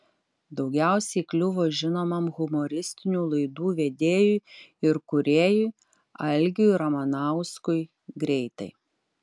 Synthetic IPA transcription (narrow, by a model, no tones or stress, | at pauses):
d̪ɒʊɡʲæˑʊsʲɛɪklʲʊʋoːʒʲɪnoːmɐmɣʊmoːɾʲɪsʲt̪ʲɪnʲuːlˠɐɪd̪uːʋʲeːd̪ʲeːjuːɪɾkʊɾʲeːjuɪ | ɐlʲɡʲuːɾɐmɐnɑˑʊskʊɪ | ɡɾʲɛɪt̪ɐɪ